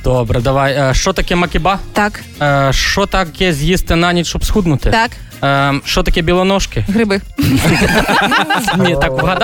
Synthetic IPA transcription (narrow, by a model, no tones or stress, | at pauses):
d̪̥ɔbɾɐd̪aʋajəʂt͡ʃɔt̪akʲɛmɐkʲɪbat̪akː | ʂt͡ʃɔt̪akʲɛzʲjist̪ɨnanʲit̪ʃɔpsxud̪nʊt̪ɨt̪ak | ʂt͡ʃɔt̪ɐkʲɛbʲilˠɔnɔʂkʲɪɣɾɨbɨ | nʲɛt̪akɣɐd̪